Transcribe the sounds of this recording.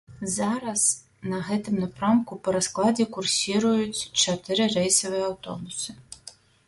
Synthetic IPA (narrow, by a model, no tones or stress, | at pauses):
zɑɾɐz | nɐɣɛt̪ɪmnɐpɾamkʊpɐɾɐsklˠɑdʲikʊrsʲiɾʊjʊt͡sʲt͡ʃɐt̪ɪɾɪrɛjsɐvɨɛɐwt̪ɔ̰bʊsɨ̥